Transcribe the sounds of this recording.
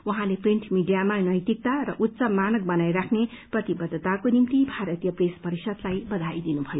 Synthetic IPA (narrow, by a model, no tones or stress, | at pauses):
wuɦãlepriɳʈmiɖijamanʌjt̪ik̚t̪aɾʌʔut̪ːsʌmanʌk̚bʌnajɾakʰneprʌt̪ibʌd̪ʱːʌt̪akonimt̪ibʱaɾʌt̪ijʌprespʌɾisʌd̪lajbʌd̪ʱajd̪inubʱʌjo